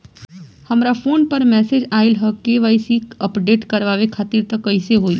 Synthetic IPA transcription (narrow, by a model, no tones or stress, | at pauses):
hɐmɾafʰoːnpəɾmɛːsed͡ʒaːɪlɦəkeʋaisiːkəpɖeːʈkɐɾʋaːʋekʰaːt̪iːɾt̪əkəɪseɦoːiː